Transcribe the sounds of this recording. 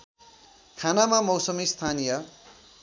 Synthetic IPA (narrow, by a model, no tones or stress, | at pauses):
kʰanamamʌwsʌmist̪ʰanijʌ